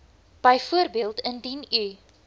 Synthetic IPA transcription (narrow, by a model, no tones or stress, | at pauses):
b̥əjfuərbiəlˠtəndiny